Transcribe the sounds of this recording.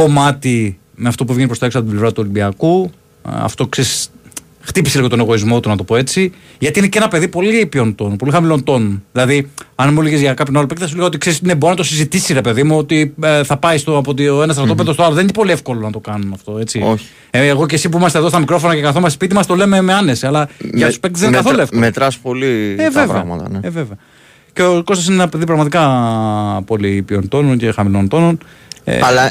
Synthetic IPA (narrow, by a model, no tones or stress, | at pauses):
ko̞mɐt̪i | meɐft̪o̞puevʝenipɾost̪oeksɐpot̪iblevɾɐt̪uo̞limbiɐku | ɐ̰ft̪o̞kseis | xt̪ipiseliɣo̞t̪o̞neɣo̞izmo̞t̪unɐt̪o̞po̞e̞t͡siʝɐt̪iineceenɐpe̞ðipo̞lipio̞nt̪o̞npo̞lixɐmilo̞nt̪o̞nðilɐðiɐnmuliɣezʝɐkɐpço̞nɐlopekθɐsuliɣɐot̪ikse̞ɾisineboɾinɐt̪o̞sizit̪isiɾe̞pe̞ðimuo̞t̪iθɐpɐist̪oɐpot̪ioenɐst̪ɾɐt̪opeðost̪oɐloðeniçnepo̞liefko̞lonɐt̪o̞kɐnunɐft̪o̞e̞t͡sioç̥ | eːɣo̞c̬esip̬uimɐst̪eðost̪ɐmikɾo̞fonɐcekɐθolmɐsespit̪imɐst̪o̞le̞me̞meɐne̞siɐlɐʝɐu̥spekt̪zðenkɐθoloefkmet̪ɾɐspolieveɐvɾɐ̰mɐ̰t̪ɐ̰neeveveɐ | ceoko̞st̪sinenɐpeðipɾɐɣmɐt̪ikɐ | po̞lipio̞nt̪o̞nonce̞xɐmilo̞nt̪o̞no̞n | ḛɐlɐ